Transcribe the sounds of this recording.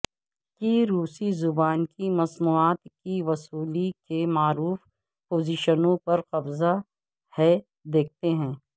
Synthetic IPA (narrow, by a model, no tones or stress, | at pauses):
kiɾuːsizʊbaːnkimɐsmuːaːt̪kiʋɐsuːlikemaːɾuːf | poːziːʃənõpɐɾqɐbza | hɛ | d̪eːk̚ʰt̪eɦɛ̃ː